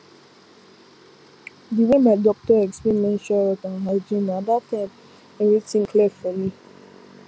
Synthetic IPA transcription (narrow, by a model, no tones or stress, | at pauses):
diwemadɔk̚tɔɛkspimɛ̃nʃɔɹɔtãnɦaɪd͡ʒĩnadap̚tɛb | ɛvitĩŋkʰlefɔmi